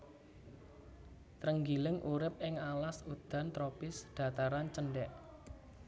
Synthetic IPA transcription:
t̪ɾəŋɡilɪŋʔuɾɪp̚ɪŋalasud̪̥a̤nt̪ɾopɪsd̪̥ä̤t̪aɾant͡ʃənɖɛʔ

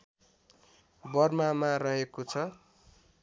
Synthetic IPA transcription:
bʌrmamarʌɦekot͡sʰʌ

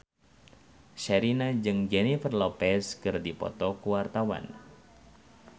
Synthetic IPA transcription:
ʃɛɾinad͡ʒɨŋd͡ʒɛnifərlɔpɛskɨrdipɔ̰t̪ɔkuwart̪awa̰n

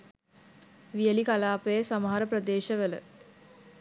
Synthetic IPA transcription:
ʋijəlikalaːpəjəsaməɦaɾəprəd̪eːʃəʋələ̰

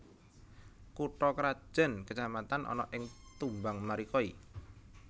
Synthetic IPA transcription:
kuʈɔkəɾḁʒ̥ɛ̤nkət͡ʃamat̪anʔɔ̰nɔ̰ʔɪŋt̪umbaŋmaɾikɔi

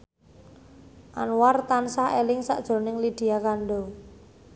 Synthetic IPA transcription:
ʔanwart̪ansahelɪŋsa̰ʔd̥ʒ̥o̤nɪŋlid̪̥i̤akanɖo

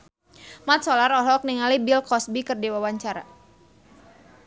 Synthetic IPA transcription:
mat̪̚sɔlarɔlɔk̚niŋalibilkɔsbikɨrdiwawaɲt͡ʃaɾa̰

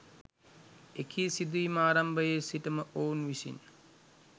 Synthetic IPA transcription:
ekʰiːsid̪uimaːɾambəjesiʈəməʔoːnʋisḭn

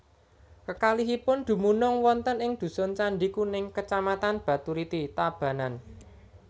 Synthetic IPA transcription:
kəkaliɦipʊnd̪̥ṳmunʊŋwɔnt̪ənɪŋd̪̥ṳsɔnt͡ʃaɳɖikunɪŋkət͡ʃamat̪anb̥ä̤t̪uɾit̪it̪ab̥ä̤nan

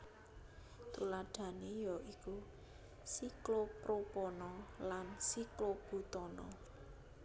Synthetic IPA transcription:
t̪ulaɖ̥a̤nejɔʔiku | siklopɾopɔnɔlansiklob̥ṳt̪ɔnɔ

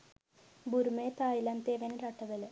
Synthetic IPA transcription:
buɾumeːt̪aːjilant̪eːʋɐnɾɐʈːɐbɐl

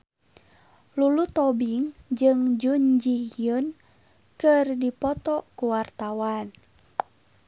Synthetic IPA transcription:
lulut̪ɔbiŋd͡ʒɨŋd͡ʒuɲd͡ʒijun | kɨrdipɔt̪ɔkuwart̪awan

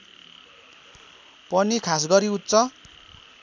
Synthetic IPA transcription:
pʌnikʰasɡʌɾiut̪ːt͡sʌ

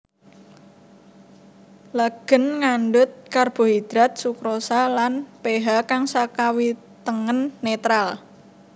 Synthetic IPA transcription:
laɡ̥ə̤nŋanɖʊt̪̚karb̥o̤ɦid̪̥ɾa̤t̪̚sukɾosalanpeɦakaŋsakawi | t̪əŋənːet̪ɾal

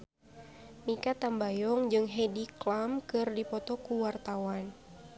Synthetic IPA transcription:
mikat̪ambajɔŋd͡ʒɨŋɦɛdiklamkɨrdipɔt̪ɔkuwart̪awan

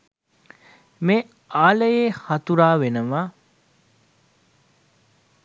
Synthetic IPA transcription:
me | aːləjeːhat̪uɾaːʋenəʋa

